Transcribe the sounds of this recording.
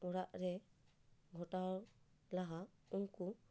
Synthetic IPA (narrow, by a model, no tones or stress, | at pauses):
ɔɾaʔɾɛ | ɡʱɔʈaw | laɦa | uŋku